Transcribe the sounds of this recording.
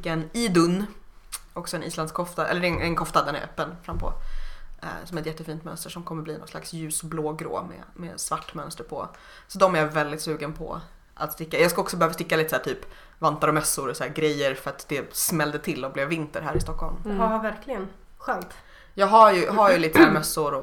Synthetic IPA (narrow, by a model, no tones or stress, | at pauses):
kɛniːd̪ɵnː | ɔksɔɛnḭːsland̪skʰɔft̪aʔɛ̰lːəɛnɛnkʰɔft̪ad̪ɛnæ̰ɾʔœ̰ːpːənfɾamːpʰɔ̰ | sɔmɛt̪jɛt̪ːəfiːnt̪mœ̰nst̪əʂɔmkʰɔmːəbliːnɔ̰nsla̰ksjʉ̟ːsbloːɡɾo̰ːmɛ̰mɛ̰svaʈːmœnst̪əɾpʰɔ̰ | sɔd̪ɔmæɾjavɛld̪ɪt̪sʉ̟ːɡənpʰɔ̰ | ʔa̰t̪st̪ɪkːajɑːɡskaɔksɔbɛhøːvast̪ɪkːaliːt̪əsæːʈtʰyːp | vant̪aɾɔmœsːʊɾɔsæːɾɡɾɛjːəɾfœɾat̪d̪ɛsmɛld̪ət̪ʰɪlːɔblɛːvːɪnt̪əɾɦæːɾɪst̪ɔkʰːɔlmvahaɾvæɾklɪɡən | ɧœnt̪ | jɑːɡɦajɵɦaɾjɵliːt̪əsæːɾmœsːʊɾɔ